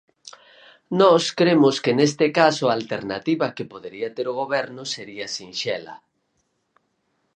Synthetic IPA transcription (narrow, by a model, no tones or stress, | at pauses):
nɔskɾemʊskenest̪ɪkasʊalt̪eɾnat̪iβakepoðeɾiat̪eɾoɣ̞oβɛɾnʊseɾiasinʃɛlɐ̰